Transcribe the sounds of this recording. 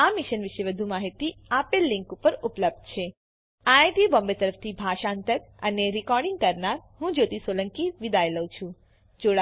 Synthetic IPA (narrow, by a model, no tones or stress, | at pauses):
amiʃənʋɪʃeʋəd̪ʱumaɦit̪iapelːĩŋkupəɾupləb̚d̪̚t͡ʃʰe | ajʈibɔ̃mbet̪əɾəft̪ʰibʱaʃaənt̪əɾ | əneɾikɔɾɖiŋɡ̚kəɾnaɾɦũd͡ʒot̪isoləŋkiʋid̪ajləwt͡ʃʰũ | d͡ʒoɽa